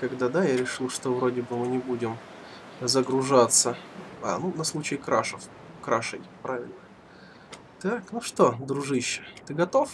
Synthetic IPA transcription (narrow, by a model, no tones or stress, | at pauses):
kɐɡd̪ad̪ajaɾʲɪʂɨlˠʂt̪ovɾo̞dʲɪbɨmɨnʲɪbudʲɪm | zəɡɾʊʐat̪səa̰nunɐslˠut͡ɕɪkɾaʂəf | kɾaʂɨ̰jʲpɾʔavʲɪ̰lʲnə | t̪aknuʂt̪od̪ɾʊʐɨɕːɪ̥t̪ɨɡɐt̪o̞f